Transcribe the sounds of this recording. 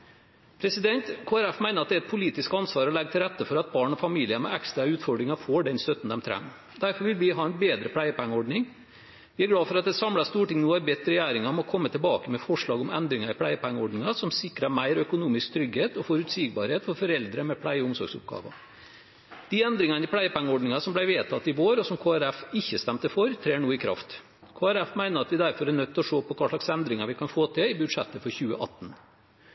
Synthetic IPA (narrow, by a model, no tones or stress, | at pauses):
pʰɾɛsɪd̪ɛnt̪kʰoːæɾæfmæɪnəɾɑt̪d̪ɛæɾɛt̪̚pʰʊliːt̪ɪskɑnsʋɑːɾɔlɛɡət̪ʰɪlɾɛt̪ːəfɔɾɑt̪̚bɑːɳɔfɑmiːlɪəmɛ̰ʔɛkst̪ɾɑʉːt̪fɔɖɾɪŋɑfoːɖɛnst̪œt̪ːn̩d̪ɛmt̪ʰɾɛ̰m | d̪æɾfɔɾʋɪlʋɪɦɑːɛnbeːd̪ɾəpʰlæɪəpæŋːəɔɖɳɪŋ | ʋɪæɾɡɽɑːfɔɾɑt̪̚d̪ɛsɑmlɑst̪uːʈɪŋnoːæɾbɛt̪ːəɾɛjæːɾɪŋɑɔmɔkʰɔmːət̪ʰɪlbɑːkəmɛfɔʂɭɑːɡɔmɛ̰nd̪ɾɪŋɑɾɪpʰɽæɪəpʰæŋːəɔɖnɪŋɑsɔmsɪkːɾɑmæɪɾœkʊnuːmɪskt̪ʰɾʏɡheːt̪ɔfɔɾʉt̪siːɡ̚bɑɾheːt̪fɔɾfɔɾɛld̪ɾəmɛpʰlæɪəʊŋsɔ̰ɾɡsʊ̰p̚ɡɑ̰ːʋɑ̰ | d̪̥ɪɛnd̪ɾɪŋɑnəɪpʰlæɪəpæŋːəɔɖɳɪŋɑsɔmblæɪʋeːt̪ʰɑt̪ːɪʋoːɾɔsɔmkʰoːæɾæfɪçːəst̪æmt̪əfɔɾt̪ʰɾeːɳuːəɪkʰɾɑ̰ft̪ | kʰoːæɾæfmæɪnəɾɑt̪ʋɪd̪æɾfɔɾæɳœt̪ːɔʂoːpɔkʰɑːʂɭɑksɛnd̪ɾɪŋɑɾʋɪkʰɑnfoːt̪ʰɪlɪbʉd̪ʂɛt̪ːəfɔɾçʉːə̰ʔɑ̰t̪ːn